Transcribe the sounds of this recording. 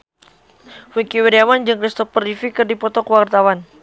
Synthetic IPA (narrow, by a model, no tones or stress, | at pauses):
wikiweɾiamand͡ʒɨŋkɾist̪ɔfərifikɨrdipɔt̪ɔkəwart̪awan